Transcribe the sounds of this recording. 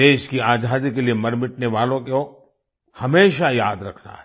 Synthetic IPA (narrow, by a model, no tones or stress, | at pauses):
eːʃkiaːd͡ʒaːd̪ikeliemɐɾmɪʈ̚neʋaːlõkeo | hɐmeːʃajaːd̪ɾɐkʰna̰ɦɛ